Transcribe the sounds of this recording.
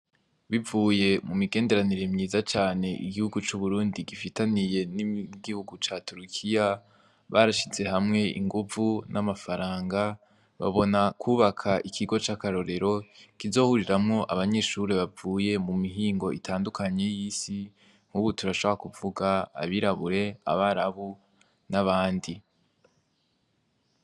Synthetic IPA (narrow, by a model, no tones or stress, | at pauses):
βivuːje̞mumiɡe̞ːnde̞ɾaniɾemɲiːzat͡ʃaːne̞ʔḭɡihuɡut͡ʃuβuɾuːndiɡifitanije̞niɡihuɡut͡ʃaːtuɾikʰija | βaɾaʃize̞hamŋe̞ḭŋɡuvunʔamafaɾaːŋɡa | βa̰βo̞nakʰuːβakʰaʔikʰiɡo̞t͡ʃakaɾo̞ɾe̞ɾo̞kizo̞ːhuɾiɾamŋo̞ʔaβaɲe̞ʃuɾeβavuːje̞mumiɦiːŋɡo̞ʔitʰaːndukaɲe̞jiːsi | ŋ̥huβutuɾaʃoβoɾakuvuɡa̰ːβiɾaβuɾe̞a̰βaɾaβu | naβaːndi